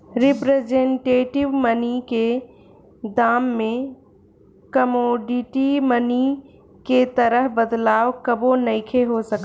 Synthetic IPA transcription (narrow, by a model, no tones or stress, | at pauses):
ɾɪpɾed͡ʒẽɳʈeːʈɪʋmənike | d̪aːmːẽ | kəmoːɖɪʈiməni | ket̪əɾəɦbəd̪laːwkəbõnɐɪkʰeɦosɐk